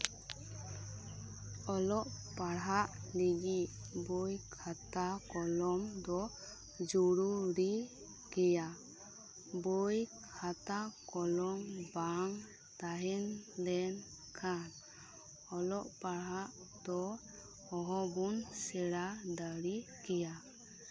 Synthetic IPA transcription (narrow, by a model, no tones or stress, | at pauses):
ɔlɔʔpaɽɦaʔliɡit̪̚bojkʰat̪akɔlɔmd̪ɔ | d͡ʒuɾuɾi | ɡ̥ɛja | bojkʰat̪akɔlɔmbaŋ | t̪aɦɛnlɛn | kʰan | ɔlɔʔpaɽɦaʔ | d̪̥ɔː | ɦɔbunsɛɾad̪aɽi | kɛja